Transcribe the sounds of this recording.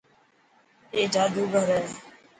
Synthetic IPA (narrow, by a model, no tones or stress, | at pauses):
eːd͡ʒaːd̪uːɡʱəɾɛː